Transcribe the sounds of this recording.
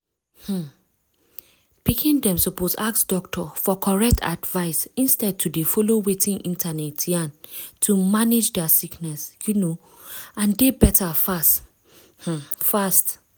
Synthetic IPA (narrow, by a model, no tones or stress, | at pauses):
h̩ | pikʰĩndɛ̃msɔposak̚sdɔk̚tʰɔfɔkʰɔɹɛk̚tʰa̰dvaɪsĩnstɛd̚tʰudefɔlowetĩnʔĩntʰanɛtjãntʰumanid͡ʒdɛsiknɛsjuno | ãndebɛtʰafast | hm̩fast